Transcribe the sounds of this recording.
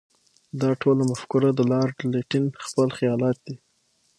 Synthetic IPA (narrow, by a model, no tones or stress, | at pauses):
d̪ɑʈʰolamafkuɾad̪əlɑɾɖleʈɪnxpəlxijɑlɑt̪̚d̪i